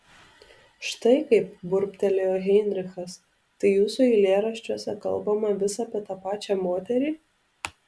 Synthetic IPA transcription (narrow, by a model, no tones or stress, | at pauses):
ʃt̪ɐɪkɐɪp̚bʊɾʲpʲt̪ʲɛlʲejoːɣʲɛɪnʲɾʲɪxɐs | t̪ɐɪjuːsuilʲeːɾɐʃʲt͡ʃʲuɔsʲɛkɐ̰lˠbɐmɐʋʲɪsɐːpʲiɛt̪ɑpɑːt͡ʃʲæmoːt̪ʲɛɾʲiː